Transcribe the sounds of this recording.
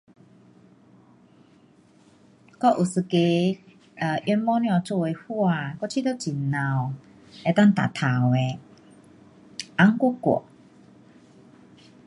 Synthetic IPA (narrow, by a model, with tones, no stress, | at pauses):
kɔ˦ʔu˨˩sɨ˧˩ke˧˨ | ʔjɔ˧nmɔ˦njɔ̃˧t͡so˧e˧hu˦˧a˧˨kɔ˥˦t͡ɕʰi˦˧t̪o˦t͡ɕi˨˩nnã˨w | ɛ˧t̪a˥˨ŋt̪a̰˨t̪ʰa˨˩we˨ | ʔa˦ŋku˦kɔ̰˨